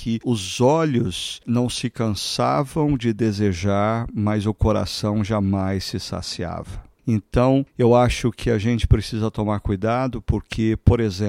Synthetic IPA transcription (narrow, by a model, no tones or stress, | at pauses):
kʰɪʊzɔʎʊsnɐ̃w̃sɪkɐ̃sa̰vɐ̃w̃d͡ʒɪd̪ezeʒaɾmɐzʊkoɾa̰sɐ̃w̃ʒamajsɪsa̰sia̰vɐẽnt̪ɐ̃w̃ewaʃʊkʰɪaʒẽnt͡ʃɪ̥pɾesizɐt̪omaɾkujd̪ad̪ʊpoɾkʰɪpoɾezẽ